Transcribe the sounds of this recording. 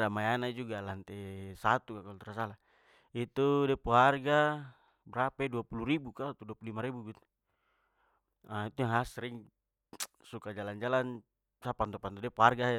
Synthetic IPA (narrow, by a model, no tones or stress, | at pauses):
ɾamajanaid͡ʒuɡalant̪ɛsat̪ukakalɔt̪ɾasala | it̪udɛpuɦarɡa | bɾapɛduapuluɾibukat̪uduapululimaɾibuɡit̪u̥ | ait̪uŋasɾiŋ | sukad͡ʒaland͡ʒalan | sapant̪ɔpant̪ɔdɛpuɦarɡaɛ